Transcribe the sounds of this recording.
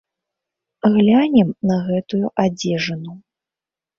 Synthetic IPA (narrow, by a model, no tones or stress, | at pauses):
ɣlʲanʲɛmnɐɣɛt̪ujuʔad͡zʲɛʐɐnu